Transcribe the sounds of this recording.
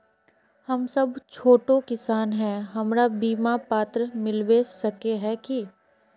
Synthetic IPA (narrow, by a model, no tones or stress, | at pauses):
hɐmsɐbt͡ʃʰoːʈokɪsaːnɦɛ̃ɦɐmɾabiːmapaːt̪ɾəmɪlwesɐkeɦɛki